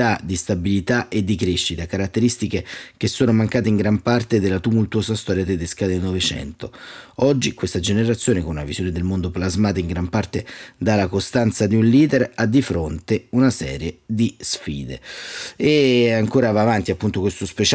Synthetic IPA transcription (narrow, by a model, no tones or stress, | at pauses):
ad̪ist̪abilit̪aʔed̪ːikɾeʃːit̪akaɾat̪ːeɾist̪ikek̟esːoːnomaŋkaːt̪eiŋɡɾampart̪ed̪elːat̪umult̪uoːsast̪ɔːɾjat̪ed̪eskad̪elnɔvet͡ʃɛ̰nt̪oɔd͡ʒːikwest̪ad͡ʒeneɾat̪sːjoːnekonunavizjoːned̪elmond̪oplazmaːt̪aiŋɡɾampart̪ed̪alːakost̪ant̪sad̪iunliːd̪erad̪ːifɾont̪eunasɛ̰ːɾjed̪isfiːd̪ḛeaŋkoːɾavaːvant̪iapːunt̪okwest̪ospet͡ʃ